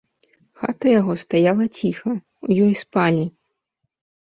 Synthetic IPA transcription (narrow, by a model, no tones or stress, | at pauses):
xa̰t̪ɐjaɣɔst̪ajalˠɐt͡sʲixɐ | ujɔjspalʲi